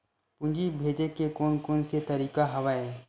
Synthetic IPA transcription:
pʊ̃ɲd͡ʒibʱeːd͡ʒekekoːnkoːnset̪ɐɾiːkaɦɐʋae

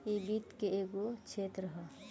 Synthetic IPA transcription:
ibiːt̪keeɡot͡ʃʰeːt̪ɾəɦə

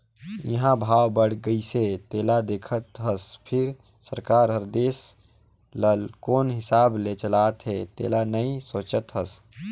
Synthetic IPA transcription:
jə̰ɦãbʱaːwbəɽ̤ɡəiset̪eːlad̪eːkʰət̪ɦəspʰɪɾ | səɾkaːɾɦəɾd̪eːs | ləlkoːnɦɪsaːblet͡ʃəlaːt̪ɦet̪ḛːlanəĩsoːt͡ʃət̪ɦəs

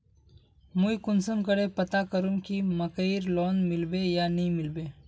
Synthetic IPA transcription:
muikʊnsəmkəɽepɐt̪akəɾũŋkimɐkəiɾloːnmɪlbejanɐɦĩmɪlbeː

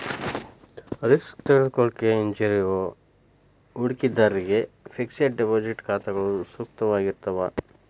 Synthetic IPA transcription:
ɾiskt̪eed̪koɭkeiɲd͡ʒɐɾio | uɽkid̪ɐɾːiɡe | pʰiksɐʈɖepoːd͡ʒiʈkaːt̪ɐɡɐɭusuk̚t̪ɐʋaːɡiɾt̪ɐʋa

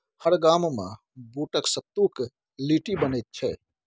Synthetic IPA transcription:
həɾɡammḛ̃ | buʈəksət̪ːuk | liʈibənɛjt̪̚t͡ʃʰɛ

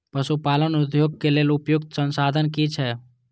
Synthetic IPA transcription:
pəsupalənud̪ʱjoɡ̚keleːlʊpjʊk̚t̪sə̃nsad̪ʱənkit͡ʃʰɛ

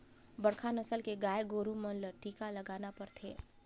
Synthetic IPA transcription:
bəɽkʰaːnəsəlkeɡaːeɡoːɾumənləʈiːkalɐɡaːnapɐɾt̪ʰḛː

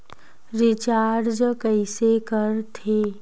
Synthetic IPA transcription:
ɾɪt͡ʃaːɾd͡ʒkəɪsekəɾt̪ʰeː

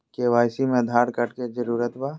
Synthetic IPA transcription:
keʋaːjsimẽd̪ʱaːɽkɐʈked͡ʒəɾuːɾət̪baː

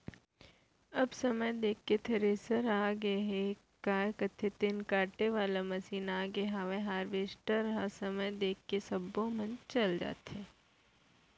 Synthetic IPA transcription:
ɐbsɐməjd̪eːkːet̪ʰɐɾeːsəɾaːɡəɦe | kaːkɐt̪ʰːet̪ɪnkaːɾʈeʋaːlamɐsiːnaːɡeɦaːʋeɦaːɾʋeːsʈəɾɦasɐməjd̪eːkːesɐbːõmɐ̃nt͡ʃɐld͡ʒa̰ːt̪ɦeː

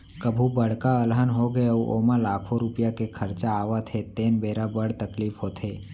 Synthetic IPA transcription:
kəbʱubəɽ̤kaəlɦənɦoɡejauʔoːmãlaːkʰoɾʊpjakekʰəɾt͡ʃaːʋat̪ʰet̪eːnbeːɾabəɽt̪əkliːfɦot̪ʰeː

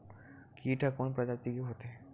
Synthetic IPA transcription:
kiʈakonpɾɔd͡ʑat̪ikeɦot̪e

